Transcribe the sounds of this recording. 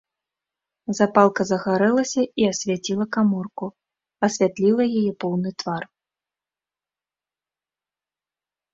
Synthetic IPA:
zapalˠkɐzɐɣaɾɛlˠɐsʲɐiɐsʲvʲat͡sʲilˠɐkamɔrku | ɐsʲvʲat̪lʲilˠɐjajɛpɔwnɨt̪var

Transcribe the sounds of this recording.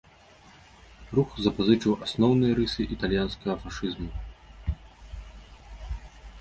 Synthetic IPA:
ruxzɐpazɨt͡ʂɨwʔasnɔwn̪ɨjɐɾɨsɨʔit̪alʲjanskɐɣɐfaʂɨzmu

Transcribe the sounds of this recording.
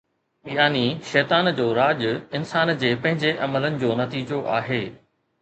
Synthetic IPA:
jaːniʃɛːt̪aːnd͡ʑoːɾaːʄʊɪnsaːnd͡ʑeːpɐ̃ɦɪ̃ɲd͡ʑeʔɐmələnɪ̆d͡ʑoːnɐt̪iːd͡ʑoʔa̰ːɦeː

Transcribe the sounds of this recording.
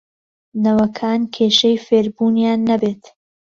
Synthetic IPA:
nɐwɐkʰaːnkʰeːʃɐjfeːɾbuːnjaːnːɐbeːt̪

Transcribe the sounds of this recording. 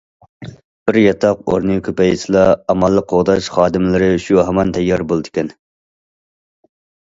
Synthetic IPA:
b̥ɪɾjɑt̪ʰɑq̚o̰ɾnɨkʲʰøpɛjisɨlˠɑːmɑlˠːəqʰːoʁd̪ɑʃχɑːd̪ɪmlɪɾɪʃuɦɛmɑnt̪ʰɛjːɑɾbolˠd̪ɪkʲʰɛn

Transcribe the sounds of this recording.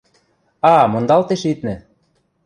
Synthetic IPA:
ɑmŏnd̪ɑlt̪eʃit̪nɘ̆

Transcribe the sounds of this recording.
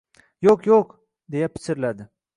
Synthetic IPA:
joqjoq | d̪e̞japʰɪ̥sʰɪɾlad̪ɪ

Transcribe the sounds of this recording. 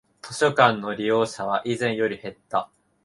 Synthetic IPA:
t̪ʰo̞ɕo̞kãnːo̞ɾʲijo̞ːɕaβ̞aʔizẽ̞ɰ̃jo̞ɾʲihe̞t̪ːa

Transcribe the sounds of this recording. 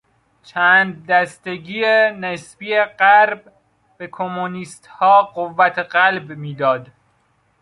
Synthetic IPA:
t͡ʃʰæːnd̪̚ːæst̪eɡiːenesbiːeɢæɾb | b̥ekʰomoniːst̪hɒːɢovːæt̪ʰeɢælbmiːd̪ɒːd̪

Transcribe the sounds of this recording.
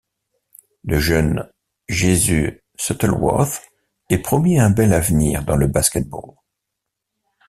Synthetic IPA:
ləʒœn | ʒezy | sɔt̪ɛlwɔ̰θ | ɛpχɔmiɛ̃bɛlavniʁd̪ɑ̃ləbaskʲɛt̪̚bo̰l

